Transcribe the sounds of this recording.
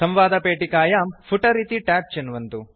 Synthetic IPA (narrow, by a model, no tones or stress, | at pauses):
sɐmʋaːd̪ɐpeːʈikaːjaːmpʰuʈɐɾiːt̪iʈaːp̚t͡ʃenʋɐnt̪u